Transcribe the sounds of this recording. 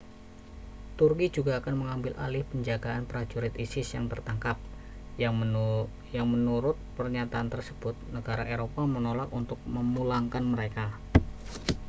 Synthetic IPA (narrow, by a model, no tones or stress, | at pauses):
t̪urkid͡ʒuɡaːkanməŋambɪlʔa̰lɪhpəɲd͡ʒaɡaanpəɾad͡ʒuɾɪt̪isɪsjaŋt̪ərt̪aŋkap̚ | jaŋmənuɾʊt̪̚pərɲat̪aːnt̪ərsəb̥ʊt̪̚nəɡaɾaʔeɾopamənolakunt̪ʊk̚məmulaŋkanməɾeka